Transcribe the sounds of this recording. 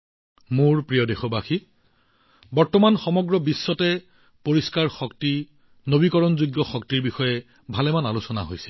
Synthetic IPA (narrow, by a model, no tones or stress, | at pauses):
mʊɹpɹijɔdexɔbaxi | bɔɹtɔmanxɔmɔɡɹɔbisːɔtɛ | poɹiskaɹxɔkti | nobikɔɹɔnzuɡjɔxɔktiɹbixɔjɛ | bʱalɛmanalusɔna̰ɦojsɛ